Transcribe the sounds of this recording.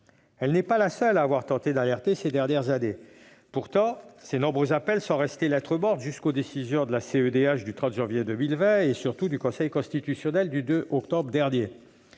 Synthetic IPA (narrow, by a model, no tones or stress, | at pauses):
ɛlnɛpalasœlaːvwaʁt̪ɑ̃t̪ed̪alɛʁt̪esed̪ɛʁnjɛʁzane | puʁt̪ɑ̃senɔ̃bʁøzapɛlsɔ̃ʁɛst̪elɛt̪χəmɔʁt̪ʒyskod̪esizjɔ̃d̪əlaseød̪eaʃd̪yt̪χɑ̃t̪ʒɑ̃vjed̪ømilvɛ̃esyʁt̪ud̪ykɔ̃sɛjkɔ̃st̪it̪ysjɔnɛld̪yd̪øʔɔkt̪ɔbʁəd̪ɛʁnje